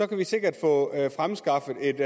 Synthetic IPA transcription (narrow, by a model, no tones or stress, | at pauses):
ɒ̽kʰæʋise̝ɡ̥ɐd̥fɔ̰̽fʁamsɡ̥ɑ̈fð̩ˠe̝d̥